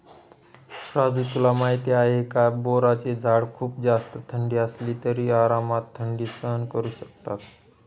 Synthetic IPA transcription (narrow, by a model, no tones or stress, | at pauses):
ɾad͡zut̪ulamaɦit̪iaekaboɾat͡ɕed͡zʱaɽkʰuːp̚d͡zast̪ət̪ʰəɳɖiəsliːt̪əɾiaɾamat̪ʰːəɳɖiːsəɦənkəɾuɕək̚t̪at̪